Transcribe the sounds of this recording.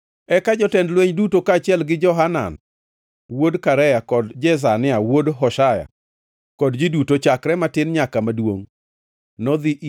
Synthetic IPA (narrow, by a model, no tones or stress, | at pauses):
ɛkad͡ʒɔtɛndlweɲdutokaːt͡ʃɪɛlɡɪd͡ʒɔɦana̰n | wodkaɾɛjakɔdd͡ʒɛs̬anɪawodɦɔʃaja̰ | kɔdd͡ʒidutot͡ʃakɾɛmatɪnɲakamadwo̰ŋ | nɔd̪iʔ